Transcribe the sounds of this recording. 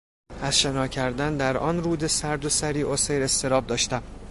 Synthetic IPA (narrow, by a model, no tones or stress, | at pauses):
æz̥ʃe̞nɒːcʰæɾd̪ænd̪æɾʔɒ̰ːnɾuːd̪e̞sæɾd̪osæɾiːʔosejɾe̞st̪ʰe̞ɾɒːb̚d̪ɒːʃt̪æm